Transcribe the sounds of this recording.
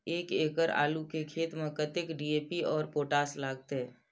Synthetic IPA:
eːkeːkəɾa̰ːlukekʰeːt̪mẽkət̪ɪkɖieːpiɔːɾpoːʈaːslaːɡ̚t̪eɦɛ̃ː

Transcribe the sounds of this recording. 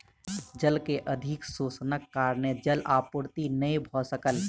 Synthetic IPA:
d͡ʒəlkeʔəd̪ʱɪksuːsnəkːaːɾned͡ʒəlaːpʊɾt̪inəĩbʱɔsəkəl

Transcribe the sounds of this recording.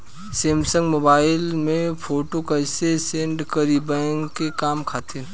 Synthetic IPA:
seːmsə̃ŋɡmoːbaːɪlmẽpʰoːʈokəɪsesẽːɳʈkəɾibɛ̃ŋɡkekaːmkʰaːt̪e

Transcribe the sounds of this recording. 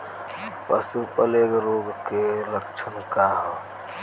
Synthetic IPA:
pə̰supəleːkɾoːɡkeləkt͡ʃʰənkaɦo

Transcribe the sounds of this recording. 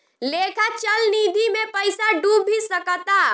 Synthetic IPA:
lekʰat͡ʃəlnid̪ʱimepəɪsaɖubʱisəkət̪a

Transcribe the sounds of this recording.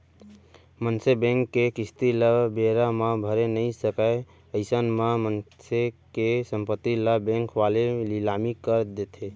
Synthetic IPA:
mənsebẽŋkːekist̪iləbeɾamabʱəɾenəisəkə | əɪsənmamənsekesəmpət̪ːiləbẽŋkʋalelilamikəɾd̪et̪ʰe

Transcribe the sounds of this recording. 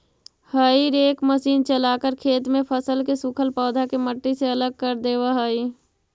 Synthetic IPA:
həːiɾeːkməsiːnt͡ʃəlaːkəɾkʰeːt̪mẽpʰəsəlkesʊkʰəlpɔːd̪ʱakeməʈːiseələɡ̚kəɾd̪eːwaɦəːi

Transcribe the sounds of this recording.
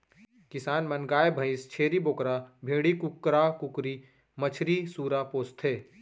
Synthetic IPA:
kɪsaːnmɐnɡaːjebʱɐɪst͡ʃʰeːɾiboːkɾabʱeːɽikʊkɾakʊkɾi | mət͡ʃʰɾisuːɾapoːst̪ʰɦeː

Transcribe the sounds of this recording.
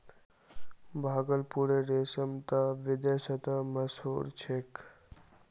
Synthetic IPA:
bʱaːɡəlpuɾeɾesəmt̪aʋid̪esət̪aməsoɾt͡ʃʰek

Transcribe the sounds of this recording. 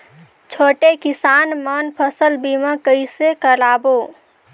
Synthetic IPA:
t͡ʃʰoːʈekisaːnmənpʰəsəlbiməkəisekəɾabo

